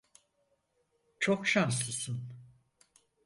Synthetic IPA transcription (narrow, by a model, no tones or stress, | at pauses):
t͡ʃʰokʃanslˠɯsɯn